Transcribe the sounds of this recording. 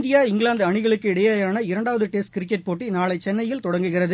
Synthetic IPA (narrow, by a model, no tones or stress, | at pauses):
nd̪ɪjaːɪŋɡɭaːnd̪ɯɐɳɪɣɐɭɯkːɯɪɽɐjaːjaːnɐɪɾɐɳɖaːʋɐðɯʈeːskɪɾɪk̬ːɛʈ̚poːʈːinaːɭɐɪt͡ʃːɛnːɐjɪlt̪ɔɽɐŋɡɯɣɪrɐðɯ